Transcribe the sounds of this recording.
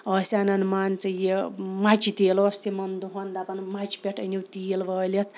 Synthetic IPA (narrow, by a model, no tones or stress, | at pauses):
ʌsʲanɐnmant͡sɐjemat͡ʃit̪eːlɐst̪imɐnd̪uɦond̪apɐnmat͡ʃʰi̥pʲeʈʰɐ̰nʲiwt̪iːlʋɐːlʲit̪ʰ